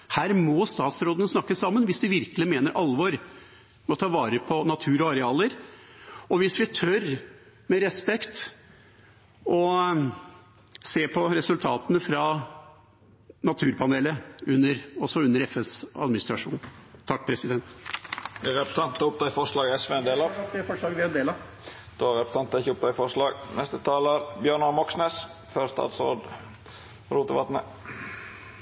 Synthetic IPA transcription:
hæːɾmɔst̪ɑːt̪sɾoːd̪ənəsnɑkːəsɑmːənʋɪsd̪ɪʋɪɾkəlɪmeːnəɾʔɑlːʋɔɾ | mɔt̪ʰɑːʋɑːɾəpʰɔnɑt̪ʰʉːɾɔɑɾɛɑːləɾ | ɔʋɪsʋɪt̪ʰœɾ | mɛɾɛspɛkt̪ | ɔ | seːpʰɔɾɛsʉlt̪ʰɑːt̪ənəfɾɑ | nɑt̪ʰʉːɾpʰɑneːləʉnːəɾɔsɔʉnːəɾɛfɛsɑ̰d̪mɪnɪst̪ɾɑʂṵːnt̪ʰɑk̚ːpʰɾɛsɪd̪ɛnt̪d̪ɛɾɛpɾəsɑnt̪ɑʊp̚d̪ɑɪfɔʂɭɑːɡɛsʋeɛnd̪eːlɑfɔʂɭɑːɡʋɪɛnd̪eːlɑ | d̪̥oæɾɛpɾə̥sɑnt̪ːɪçʊp̚d̪ɑɪfɔɾʂlɑːɡnɛst̪ət̪ʰɑːləɾbjœɳɑmɔksneːs | fœɾst̪ɑ̰ːt̪sɾo̰ːd̪ | ɾuːt̪əʋɑt̪nə̰

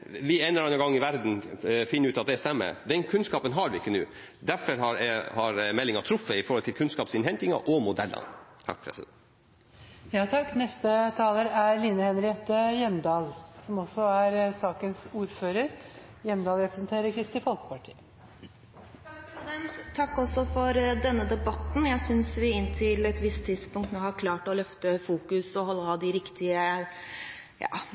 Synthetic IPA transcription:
ʋɪɛnːəɾɖɛnəɡɑŋːɪʋæɾd̪n̩fɪnːəɾʉːt̪ɑt̪̚d̪ɛst̪ɛmːə̰ɾd̪ɛnkʰʉnskɑːpənɦɑɾʋɪɪkːənʉ̰ː | d̪æfɔɾhɑɾhɑɾmɛlːɪŋɑt̪ʰɾʊfːəɪfɔɾhɔlt̪ʰɪlkʰʉnskɑːpsɪnhɛnt̪ɪŋɑ̰ʔɔmʊd̪ɛlːə̰nt̪ʰɑ̰k̚pʰɾɛ̰sɪd̪ɛn | jɑːt̪ʰɑkːnɛst̪ət̪ʰɑːləɾæɾliːnəhɛnɾɪɛt̪əjɛmd̪ɑːlsɔmɔsːɔæɾsɑːkənsuːɾføːɾəɾ | jɛmd̪ɑːlɾɛpɾəsənt̪ʰeːɾəɾkʰɾɪst̪ɪfɔlkə̥pɑʈʰḭːə | d̪ɛnt̪ʰːɑkːɔsːɔfɔɾd̪ɛnːəd̪ɛbɑt̪n̩jæɪsʏnsʋɪɪnːt̪ʰɪlɛt̪ʋɪst̪ʰːɪd̪spʊŋkt̪noːhɑɾkʰlɑːʈɔlœft̪əfuːkʉsɔhɔlːəhɑːd̪ɪɾɪkt̪ɪə | jɑ̰ː

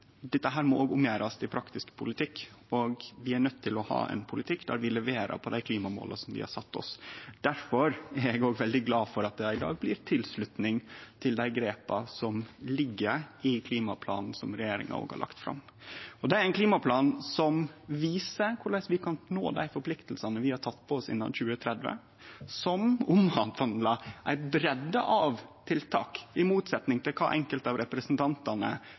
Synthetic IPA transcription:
d̪ɛt̪ːəɦæːɾmɔoːɡʊmjæːɾɑst̪ʰɪlpʰɾɑkt̪ɪskpʰʊlɪt̪ʰɪkːɔɡʋɪænœt̪ʰːɪlɔhɑ̰ːʔɛ̰npʰʊlɪt̪ʰɪkːd̪æ̰ːɾʋɪlɛʋeːɾɑ̰pʰɔd̪æɪkʰliːmɑmo̰ːlʔɑsɔmd̪ɪ̰hɑ̰ɾsɑt̪ːɔ̰sd̪̥æɾfɔɾæɾɛɡoːɡʋɛld̪ɪɡlɑːfɔɾɑt̪̚d̪ɛɪd̪ɑ̰ːɡ̚blɪɾt̪ʰɪlslʉt̪nɪŋt̪ʰɪld̪æɪɡɾeːpɑsɔmlɪɡːəɾɪkʰliːmɑpʰlɑ̰ːnn̩sɔmɾɛjeːɾɪ̰ŋɑ̰o̰ːɡhɑ̰ɾɭʔɑ̰kt̪fɾɑ̰mː | ɔd̪ɛæɾæɪnkʰliːmɑpʰlɑːnsɔmʋiːsəɾkʰʊɭæɪsʋɪkʰɑnnoːd̪æ̰ɪfɔɾpʰlɪkt̪lsɑnəʋɪhɑʈʰɑt̪ːpʰɔɔsɪ̰nːɑ̰çʉːət̪ʰɾɛd̪ʋə̰ | sɔmʊmhɑnt̪ɑnd̪lɑʔæ̰ɪbɾɛd̪ːəʔɑʋt̪ʰɪlt̪ʰɑ̰ːkɪmuːt̪sɛt̪nɪŋt̪ʰɪlkʰɑ̰ːʔɛŋkəlt̪ɑʋɾɛpɾəsn̩t̪ʰɑnt̪ɑnə̰

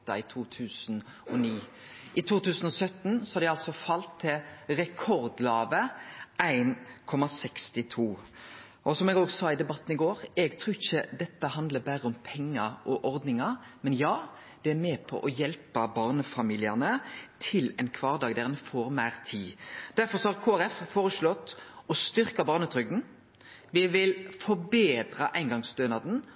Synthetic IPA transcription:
ɑɪt̪ʰuːt̪ʰʉːsn | ɔniː | ʔɪt̪ʰuːt̪ʉːsn̩ɔsœt̪nsɔhɑd̪ɛɑlsɔfɑlt̪ʰːɪlʁɛkʰɔɾd̪lɑːʋəæɪnkʰɔmɑsɛkst̪ɪt̪ʰuː | ʔɔsɔmɛɡoːɡsɑːɪd̪ɛbɑt̪ːn̩ɪɡoːɾɛɡt̪ʰɾuːɪçəd̪ɛt̪ːəhɑnd̪ləbæɾəɔmpʰɛŋːəʔɔʔɔɾd̪nɪŋɑmɛnjɑː | d̪̥ɛæɾmeːpʰɔ̰ʔɔjɛlpəbɑːʁnəfɑmiːlɪɑnət̪ʰɪlɛɪnkʰʋɑːʁd̪ɑːɡd̪æʁɛnfoːɾmæːɾt̪ʰiːd̪̥æɾfɔɾsɔhɑʁkʰoːæɾɛffoːɾəslɔt̪ːɔst̪ʏɾkɑbɑːʁnət̪ʰɾʏɡ̚d̪n̩ | ʋɪʋɪlfɔbeːd̪ɾɑʔæɪnɡɑŋsd̪øːnɑd̪n̩

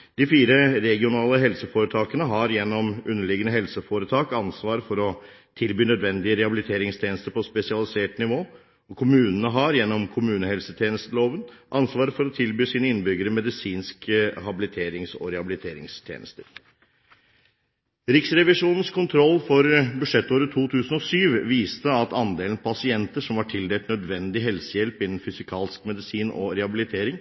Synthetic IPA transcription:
d̪̥ɪfiːɾəɾɛɡɪʊnɑːləɦɛlsəfoːɾət̪ʰɑːkənəɦɑɾjɛnːɔmʉnːəɭɪɡənəɦɛlsəfoːɾət̪ʰɑːkɑnsʋɑːɾfɔɾɔ | t̪ʰɪlbyːnœd̪ʋɛnd̪ɪəɾɛhɑbɪlɪt̪ʰeːɾɪŋst̪ʰjeːnəst̪əɾpʰɔspɛsɪɑlɪseːʈnɪʋoː | ɔkʰʊmʉːnənəɦɑɾjɛnːɔmkʰʊmʉːnəhɛlsət̪ʰjeːnəst̪əloːʋənʔɑnsʋɑːɾfɔɾɔt̪ʰɪlbyːsiːnəɪnːbʏɡəɾəmɛd̪ɪsiːnskəhɑbɪlɪt̪ʰeːɾɪŋsɔ̰ɾɛhɑbɪlɪt̪ʰeːɾɪ̰ŋst̪ʰjḛːnə̰st̪əɾ | ɾɪksɾɛʋɪʂuːnən̩skʰʊnt̪ʰɾɔlːfɔɾbʉʂɛt̪ːoːɾət̪ʰuːt̪ʰʉːsn̩ɔsyːʋʋiːst̪əɑt̪ɑnd̪eːln̩pʰɑsɪɛnt̪əʂɔmʋɑʈʰɪld̪eːt̪nœd̪ʋɛnd̪ɪɦɛlsəjɛlpɪnːn̩fʏsɪkʰɑːlskmɛd̪ɪsiːnʔɔ̰ɾɛhɑbɪlɪt̪ʰeːɾɪŋ

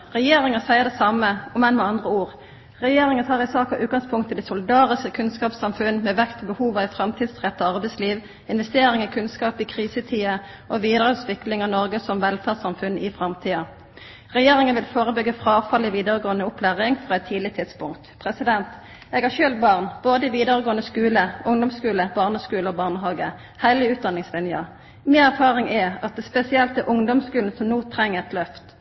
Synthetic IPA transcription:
ʁɛjeːʁɪŋənsæɪəd̪ɛsɑməʊmɛnmɛɑnd̪ʁəuːʁ | ʁɛjeːʁɪŋənt̪ʰɑːʁɪsɑːkɑʔʉːt̪̚ɡɑŋspʰʊŋkt̪ʰəd̪ɛsʊlɪd̪ɑːʁɪskəkʰʉnskɑːpsɑmfʉnːmeːʋɛkt̪ɔbəhuːʋɑɪfʁɑmt̪ʰiːd̪sʁɛt̪ːəɑʁbɛɪsliːʋ | ɪnʋɛst̪eːɾɪŋɪkʰʉnskɑːpɪkʰʁiːsət̪ʰiːə | ʔoʋiːd̪əʁəʉt̪ʋɪklɪŋɑnɔʁɡəsɔmʋɛlfæːʁsɑmfʉnɪfʁɑmt̪ʰiːɑ | ʁɛjeːʁɪŋənʋɪlfoːʁəbʏɡːəfʁɑːfɑlːɪʋiːd̪əʁəɡoːənəʊpʰlæːʁɪŋfʁoːɛt̪ʰːiːd̪ɪt̪ʰɪt̪spʊŋkt̪pʰʁɛsɪd̪ɛnt̪ | ɛɡhɑʁçøːlt̪̚bɑʁnb̥oːd̪əɪʋiːd̪əʁəɡoːənəskʉːləʔʊŋd̪ɔmskʉːləbɑːʁnəskʉːləɔbɑʁnəɦɑːɡə | hælɪʉːt̪̚d̪ɑnɪŋslɪnjə | mɪːnæʁfɑːʁɪŋɛɑt̪̚d̪ɛspɛsɪɛlt̪əʔʊŋd̪ɔmskʉːln̩sɔmnoːt̪ʰɾɛŋːəɛt̪lœft̪

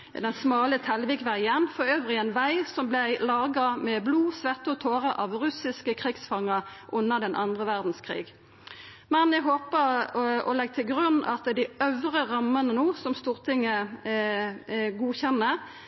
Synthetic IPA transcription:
d̪ɛnsmɑːlət̪ʰɛlʋɪːkʋæɪənfɔʁøːʋʁɪɛnʋæɪsɔmblæɪlɑːɡɑmɛbluːsʋɛʁt̪ɔt̪ʰoːʁəʔɑʋʁʉsɪskəkʰʁiɡsfɑŋːəʁʔʊnːəʁd̪ɛnʔɑnd̪ʁəʋæʁd̪n̩skʰʁḭːɡ | mɛnjɛɦoːpəʁɔ̰lɛɡ̚t̪ʰɪlɡʁʉnːɑ̰t̪d̪ɪœʋʁəʁɑmːənənuːsɔmst̪uːʁt̪ʰɪŋːə | ɡuːçɛnːəʁ

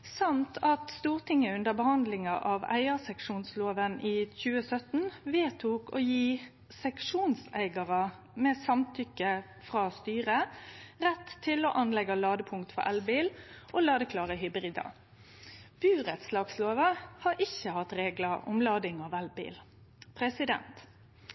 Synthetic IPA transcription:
sɑnt̪ʰɑt̪st̪uːʁt̪ʰɪŋəʉnd̪əbəhɑnd̪lɪŋɑʔɑʋæ̰ɪəsɛkʂuːnsloːʋəniːçʉːəsœt̪nʋeːt̪ʰuːko̰ːjiː | sɛkʂuːnsæ̰ɪɡɑʁɑ | mɛːsɑmt̪ʰʏkə | fʁɑːst̪yːʁəʁɛt̪ʰːɪloːʔɑnlɛɡɑlɑːd̪əpʰʊŋk̚t̪fɔ̰ɾʔælbiːlʔolɑːd̪əkʰlɑːʁəɦʏbɾiːd̪ɑ̰ | b̥ʉːʁɛt̪slɑːɡsloːʋəhɑɾɪçəhɑt̪ɾeːɡlɑɔ̰mlɑːd̪ɪŋɑʋælbḭːl | pʰʁɛsɪd̪ɛ̰nt̪

